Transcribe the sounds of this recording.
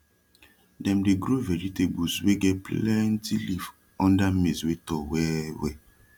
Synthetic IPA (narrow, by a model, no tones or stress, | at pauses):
dɛ̃mdeɡɾoveɾitebusweɡɛplɛntilif | ɔ̃ndam̩meswetɔwɛwɛ̰